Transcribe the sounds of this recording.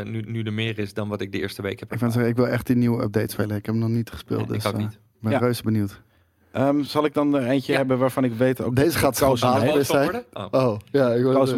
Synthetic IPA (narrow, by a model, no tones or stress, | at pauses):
nynydəmɪːrɪsdɔnʋɑtɪk̚dəɪ̰ːɹstəʋejkɛpɪkfansɛəɪkʋɪlˠɛχt̚dəniwəə̰p̚dejtsfɪləɪkɦɛpənɔχnitχə̥spɪ̰ːlˠt̚də̰sɪɡ̚bɛrøsbənuwt | ʔəmsɑlˠɪɡ̚dɔnejnt͡ʃəɦɛbəʋaːɹfɑnɪkʋejtodejzəχaːtsosaːləʋɪsɛjowjaɪko